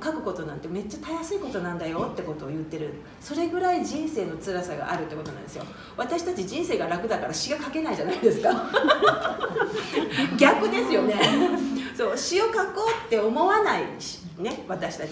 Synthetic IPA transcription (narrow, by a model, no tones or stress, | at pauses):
kakɯ̟̥ko̞t̪o̞nãnt̪ːe̞me̞t͡ɕːat̪ajasɨiko̞t̪o̞nãnd̪ajo̞t̪ːe̞ko̞t̪o̞ːjɯ̟t̪ːe̞ɾɯ̟ | so̞ɾe̞ɡɯ̟ɾaid͡ʑĩɰ̃se̞ːno̞t͡sɨɾasaɡa̰ʔaɾɯ̟t̪ːe̞ko̞t̪onã̰nd̪esɨjo̞̰ | βat̪aɕi̥t̪at͡ɕid͡ʑĩɰ̃se̞ːɡaɾakɯ̟d̪akaɾaɕiɡakake̞naiʑanaid̪e̞sɨ̥ka | ɡʲakɯ̟d̪e̞sɨjo̞ne̞ | so̞ːɕio̞kako̞ːt̪ːe̞omo̞βanaiɕ | ne̞βat̪aɕi̥t̪at͡ɕi